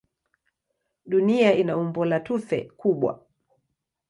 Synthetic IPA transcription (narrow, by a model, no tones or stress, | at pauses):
ɗuniainaumbɔlatuθɛ̰kuɓwa̰